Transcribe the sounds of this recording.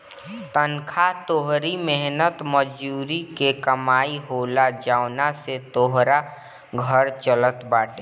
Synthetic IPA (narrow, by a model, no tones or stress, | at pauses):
t̪ənkʰat̪oːɦɾimɛɦnət̪məd͡ʒuːɾikekəmaːiɦoːlad͡ʒaːʊnaset̪oːɦɾa | ɡʱəɾt͡ʃələt̪baːʈe